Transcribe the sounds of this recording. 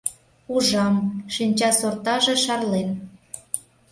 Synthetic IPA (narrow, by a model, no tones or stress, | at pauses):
uʒɑmʃinʲt͡ɕɑsort̪ɑʒĕʃɑrlen